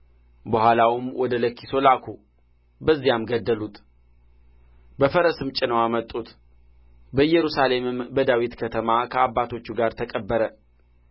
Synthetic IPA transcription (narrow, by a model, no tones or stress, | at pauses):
bəhʷalawɨmwʔɔd̪ələkːi̥so̞lakʰu | bəzːijamɡəd̪ːəlut̪ | bəfəɾəsɨmt͡ʃʼɪnəwamət̪ʼːut̪ | bəjːɛɾusale̞mɨmbəd̪awit̪kʰət̪ʰəmakʰəabːat̪ʰo̞t͡ʃːuɡaɾt̪ʰəkʼəbːəɾə